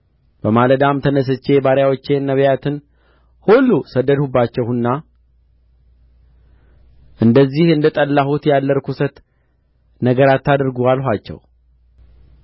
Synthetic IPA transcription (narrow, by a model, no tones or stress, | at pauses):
b̥əmaləd̪amt̪ʰənəs̬ɨt͡ʃːe̞baɾjawot͡ʃːe̞nːəβjat̪ʰɨn | hulːusəd̪ːəd̪hubːat͡ʃːɛwɨnːa | ʔɨnd̪əzːihɨnd̪ət̪ʼəlːahut̪jalːəɾkʰusət̪ | nəɡəɾat̪ʰːad̪ɾɡualɦʷat͡ʃːɛ̰w